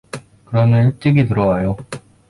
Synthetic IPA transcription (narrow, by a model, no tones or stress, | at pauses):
kɯɾʌnɯiɭt͈eɡit̪ɯɾʌwajo